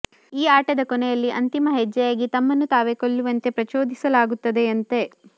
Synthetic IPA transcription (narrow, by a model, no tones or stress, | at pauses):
iːaːʈɐd̪ɐkɔnɛjɐlːiʔɐnt̪imɐɦɛd͡ʒːɐjaːɡit̪ɐmːɐnːut̪aːʋekoɭːuʋɐnt̪e̞pɾɐt͡ʃoːd̪isɐlaːɡut̪ːɐd̪e̞ɐnt̪e̞